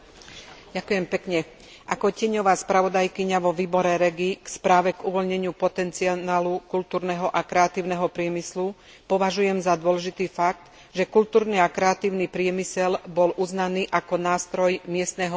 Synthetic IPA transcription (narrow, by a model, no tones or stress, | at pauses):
ɟakʊjɛmpɛkɲɛ | ʔakɔcɪɛɲɔʋaːspɾaʋɔd̪ajkiɲaʋɔʋiːbɔɾɛɾɛɡikspɾaːʋɛɡuʋɔlɲɛɲɪupɔt̪ɛnt͡siaaːlukult̪uːɾnɛɦɔʔakɾɛat̪iːʊnɛɦɔpɾɪɛmislu | pɔʋaʒujɛmzad̪ʊɔlɛʒit̪iːfak̚t̪ | ʒɛkult̪uːɾniakɾɛat̪iːʊnipɾɪɛmisɛlbɔlʔuznaniːʔakɔnaːst̪ɾɔjmɪɛst̪nɛɦɔ